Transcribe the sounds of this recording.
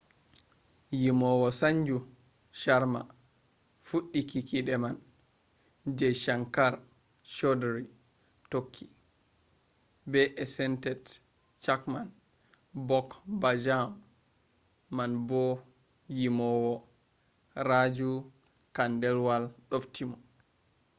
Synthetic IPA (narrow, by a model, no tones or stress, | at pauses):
jimɔwɔsaɲd͡ʒu | ʃaɾma̰ | fuɗːikikiɗɛman | d͡ʒɛʃaŋkaɾ | ʃɔdɾi | tokʰːi̥ | bɛʔɛsɛntɛt | t͡ʃakman | bɔkbad͡ʒam | anbɔ | jimɔwɔ | ɾad͡ʒu | kandɛlwalɗɔftimɔ